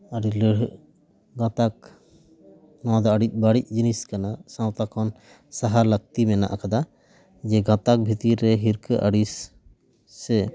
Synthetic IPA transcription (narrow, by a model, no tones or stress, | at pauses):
aɾiləɽ | ɡãt̪ak̚ | nɔwad̪ɔəɽic̚ˀbaɽic̚ˀd͡ʒiniskanasãwt̪akʰɔn | saɦaɾlək̚t̪imɛna̰ʔakad̪a | d͡ʒɛɡãt̪ak̚bʱit̪iɾɛɦiɾkəʔəɽisː | ɛ